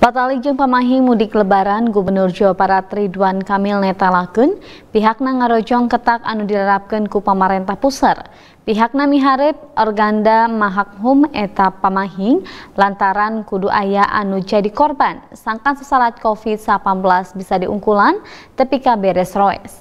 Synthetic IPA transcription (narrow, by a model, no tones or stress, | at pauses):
bat̪alik̚d͡ʒɨŋpəmaɦɪŋmudɪkələbaɾanɡubərnʊrd͡ʒawapaɾat̪ridwankamilnɛt̪alakunpiɦak̚naŋaɾɔd͡ʒɔŋkət̪ak̚anudilaɾap̚kənkupəmaɾɛnt̪ahpusər | piɦak̚namiɦaɾɪp̚ɔrɡandamaɦak̚ɦumɛt̪apəmaɦɪŋlant̪aɾankuduʔajaʔa̰nud͡ʒadikɔrbansaŋkansəsalat̪̚kofid̪sapanbəlasbisadiʔṵŋkulant̪əpikabɛɾɛsroɛ̰s